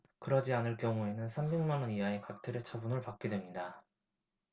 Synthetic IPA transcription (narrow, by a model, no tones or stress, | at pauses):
kɯɾʌd͡ʑianɯɭk͈jʌŋue̞nɯnsʰambe̞ŋmanʌnijaekak̚tʰeɾet͡ɕʰʌbunɯɭpak̚k͈e̞dwemɲida